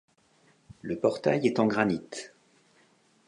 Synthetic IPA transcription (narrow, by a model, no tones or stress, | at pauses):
ləpɔʁt̪a̰jɛt̪ɑ̃ɡʁanit̪